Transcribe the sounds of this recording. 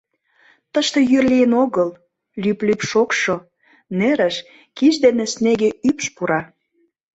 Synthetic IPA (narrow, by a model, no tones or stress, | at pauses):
t̪əʃt̪ejørlijənoɣəl | lyplypʃokʃo | neɾə̆ʃ | kiʒd̪enesneɣeypʃpuɾɑ